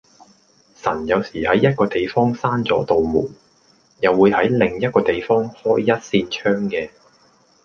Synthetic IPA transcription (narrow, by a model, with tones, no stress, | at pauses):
sɐ̰˨˩njɐ˨˧wsiː˨˩hɐ˨˥jːɐ˥t̚kɔː˧t̪e˨jfɔː˥ŋsaː˥nt͡sɔː˨˥t̪o˨wmṵː˨˩ | jɐ˨wːuː˨˧jhɐ˨˥jlɪ˨ŋjɐ˥t̚kɔː˧t̪e˨jfɔː˥ŋhɔː˥jːɐ˥t̚siː˧nt͡ʃʰœː˥ŋkɛː˧